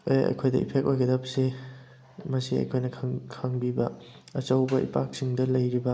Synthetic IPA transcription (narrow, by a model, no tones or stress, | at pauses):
eɐ̰jkʰojdɐʔḭpʰek̚ʔojɡɐdɐpsi | mɐsiɐ̰jkʰojnɐkʰkʰaŋbibɐ | ɐt͡ʃɐwbɐʔḭpak̚siŋdɐlɐjɾibɐ